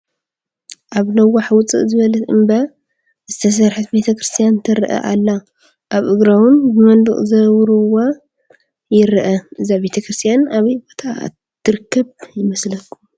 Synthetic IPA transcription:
ʔaβnɐwaħwʊt͡sʼɨ̰ʔzɨβɐlɐt̪ɨmbɐ | z̥ɨt̪ʰɐs̬ɐɾħut̪be̞t̪ʰɐkɾɨst̪ʰijant̪ʰɐɾʔɐ̰ʔalːa | ʔaβʔɨɡɾawʊnbɨmɐnd̪ɨ̰χʼzɐwɾuwa | jɪɾʔɐʔɨzaβe̞t̪ʰɐkɾɨst̪ʰijanaβɐjbo̞t̪ʰa̰ | t̪ʰːɨɾɨkʰːɐβjɪmɐslɐkʰːu

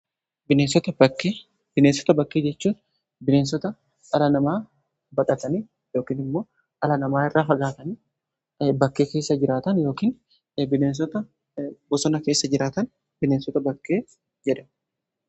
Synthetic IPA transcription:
bɪneːnsɔt̪ɐbɐkːeː | b̥ɪneːnsɔ̥t̪ɐbɐkːeːd͡ʒɛt͡ʃːuːn | bɪneːns̬ɔt̪ɐ | ɐlɐnɐmaː | bɐkʼɐt̪ɐni | jo̞ːkiːnɪmːo̞ː | ʔɐlɐnɐmaːɪrːaːfɐɡaːt̪ɐniː | bɐkːe̞ːke̞ːsːɐd͡ʒɪɾaːt̪ɐnjo̞ːkiːn | bɪneːns̬ɔt̪ɐ | bɔsɔnɐke̞ːsːɐd͡ʒɪɾaːt̪ɐn | bɪneːnsɔt̪ɐbɐkːe̞ː | d͡ʒɛᶑɐ

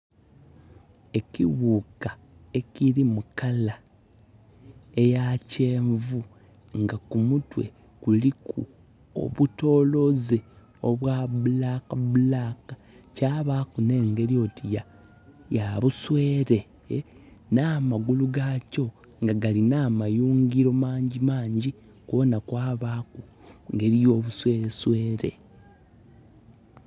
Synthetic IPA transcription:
e̞ciβuka | e̞ciɾimukala | e̞jaceːɱvu | ŋɡakumutwe̞̰ | kulikʰṵ | o̰βuto̞ːlo̞ze | o̞βwaβulakaβulaka | caːβaːkune̞ːŋɡe̞ɾio̞tija | jaβusweːɾe̞ | naːmaɡuluɡaco̞ | ŋɡaɡalinaːmajuːŋɡiɾo̞maːɲɟimaːɲɟi | kuβo̞nakwaːβaːku | ŋɡe̞ɾijo̞ːβuswe̞ːɾeswe̞ːɾe̞̰

